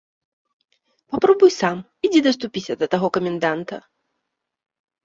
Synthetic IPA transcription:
papɾɔbujsam | id͡zʲid̪ɐs̬t̪upʲisʲɐd̪ɐt̪aɣɔkɐmʲɛnd̪ant̪ɐ̰

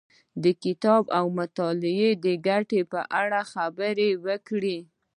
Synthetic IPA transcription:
d̪əkɪt̪ɑbawmʊt̪ɑlɪed̪əɡaʈepəʔaɽaxabəɾewəkɽi

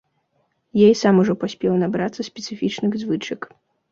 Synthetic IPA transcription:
jɛjsamuʐɔpasʲpʲɛwnabɾat̪sːɐsʲpʲɛt̪sɨfʲit͡ʂnɨɣzvɨt͡ʂɨk

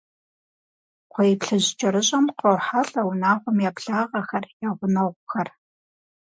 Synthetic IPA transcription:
qʷɔjɪpɬɨʑt͡ʃʼɐɾɨɕʼɐmqɐwħaɬʼɐwʊnaːʁʷɔmjaːpɬaːʁɐxɐrjaʁʷʊnɐʁʷʊxɐr

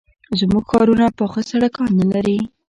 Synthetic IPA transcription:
zmuɡxɑɾunapəxəsaɽakɑnalaɾi

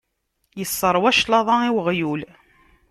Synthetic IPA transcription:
jəsˤːəɾˤwæʃlɑðˤɑiwʁjul

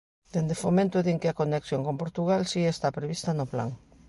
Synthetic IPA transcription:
d̪end̪efomẽnt̪ʊðiŋkeakoneksjoŋkompoɾt̪uɣalsiest̪apɾeβist̪ɐnopla̰ŋ

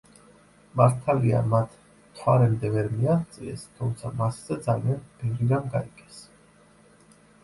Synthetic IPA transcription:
maɾt̪ʰalia̰mat̪ʰ | t̪ʰwaɾɛmd̪ɛvɛɾmiaχt̪sʼiɛ̰st̪ʰumt̪sʰamasz̥ɛd̪zalianb̥ɛvɾiɡanɡaikʼɛs

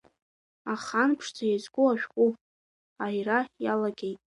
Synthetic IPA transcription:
aχanpʰʂd͡zajazɡʷʊaʃᶣχʷʼupʼ | ajrajalaɡʲejtʼ

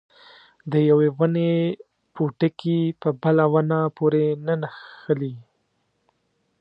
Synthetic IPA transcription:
d̪əjawewəne | poʈəkipəbəlawanapoɾenanaxəli

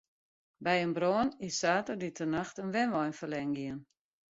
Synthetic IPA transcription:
bɛjənbroːənɪsːaːtərditʰənaxtənʋɛnʋɔjnfəlɛŋɡiən

